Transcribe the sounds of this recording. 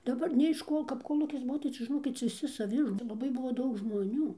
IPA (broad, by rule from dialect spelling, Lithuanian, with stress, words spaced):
dɐˈbɐr nʲeː ɪʃ ˈkoː kɐp koːˈlˠuːkʲɪs ˈbuɔ tɐɪ ˈt͡ʃʲɛ ʒʲɪˈnoːkʲɪt ʋʲɪˈsʲɪ sɐˈʋʲɪ ɪr t͡sʲɛ ˈlˠɑːbɐɪ ˈbʊʋoː ˈdɐʊk ʒmoːˈnʲuː